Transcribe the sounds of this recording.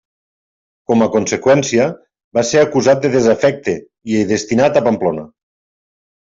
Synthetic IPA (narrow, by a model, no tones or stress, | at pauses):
kɔməkonsekwɛnsiə | baseakuzat̪̚d̪eðezafɛk̚t̪e | ieðest̪inat̪apamplonɐ